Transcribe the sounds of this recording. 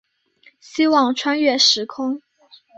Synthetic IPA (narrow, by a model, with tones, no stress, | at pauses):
ɕi˥wɑ˥˩ŋʈ͡ʂʰwa˥nɥɛ˥˩ʂɻ̩˧˥kʰʊ˥ŋ